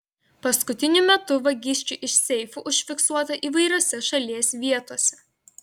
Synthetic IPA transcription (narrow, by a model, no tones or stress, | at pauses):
pɐskʊt̪ʲɪnʲʊmʲɛt̪ʊʋɐɡʲɪsʲt͡ʃʲʊʔɪʃʲsʲɛɪfuʔʊʃʲfʲɪksuɔt̪ɐʔiːʋɐɪɾʲoːsʲɛʃɐlʲiɛsʲʋʲiɛt̪oːsʲɛ̥